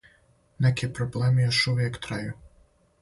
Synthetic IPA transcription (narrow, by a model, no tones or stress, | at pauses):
nɛkʲipɾɔblˠɛmɪjaʃʊwjɐkt̪ɾajʊ